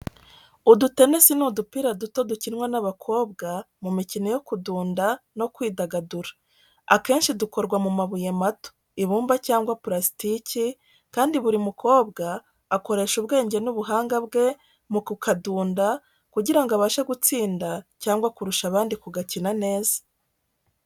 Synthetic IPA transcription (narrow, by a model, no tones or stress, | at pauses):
udute̞nesinudupiɾaduto̞ducinŋwanaβakʰo̞ːbɡa | mumicino̞jo̞kuduːndano̞kwiːdaɡaduɾḁ | ake̞ːnʃiduko̞ɾɡwamumaβujemato̥ | iβuːmbacaːŋɡwapɾasi̥tici | kaːndiβuɾimukʰo̞ːbɡaː | ko̞ɾe̞ʃuβɡe̞ːɲɟe̞nuβuɦaːŋɡaβɡe̞ | mukukʰaduːnda | kuɟiɾaŋɡoaβaːʃaɡut͡siːndacaːŋɡwakuɾuʃaβaːndikuɡacinane̞ːzḁ